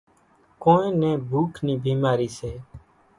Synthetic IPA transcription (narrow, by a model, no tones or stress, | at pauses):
kõːẽːnɛ̃ːbʱuːkʰnĩːbʱiːmaːɾiːseː